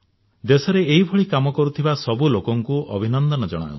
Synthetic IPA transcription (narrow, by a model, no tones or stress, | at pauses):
d̪esɔɾeeɦibʱɔɭikamɔkɔɾut̪ʰibasɔbulokɔŋkuʔɔbʱinɔnd̪ɔnɔd͡ʒɔɽ̃a̰ṵ̃